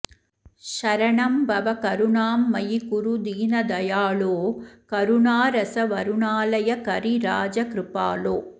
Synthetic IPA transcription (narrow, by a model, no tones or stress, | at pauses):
ʃɐɾɐɳɐmbɐʋɐkɐɾʊɳaːmːɐjikʊɾud̪iːnɐd̪ɐjaːɭoːkɐɾʊɳaːɾɐsɐʋɐɾʊɳaːlɐjɐkɐɾiɾaːd͡ʒɐkɾɪpaːloː